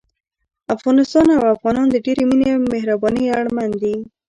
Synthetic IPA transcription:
afɣɑnɪst̪ɑnawafɣɑnɑnd̪əɖeɾeminemehɾabɑnəjaɽmand̪i

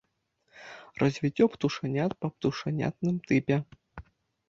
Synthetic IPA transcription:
rɐzʲvʲit͡sʲːɔpt̪uʂanʲat̪pɐpt̪uʂanʲa̰t̪nɨmt̪ɨpʲɛ

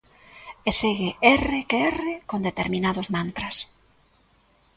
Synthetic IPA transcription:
eseɣeʔɛrekeɛrekond̪et̪eɾmĩnaðʊzmant̪ɾas

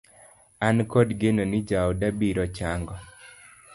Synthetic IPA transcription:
ankɔdɡenonɪd͡ʒaɔdabiɾɔt͡ʃaŋɡɔ

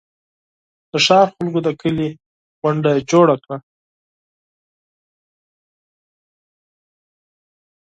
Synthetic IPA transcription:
d̪̥əʃɑɾxalɡod̪əkəli | ɣaɳɖaed͡ʒoɽakɽa

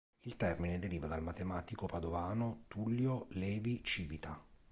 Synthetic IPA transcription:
ilt̪ɛrmined̪eɾiːvad̪almat̪emaːt̪ikopad̪ovaːnot̪ulːjolɛːvit͡ʃiːvit̪a

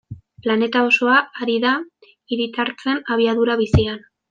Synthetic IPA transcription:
plane̞t̪ao̞so̞aːɾiða | iɾit̪aɾt͡se̞naβ̞iaðuɾaβisian

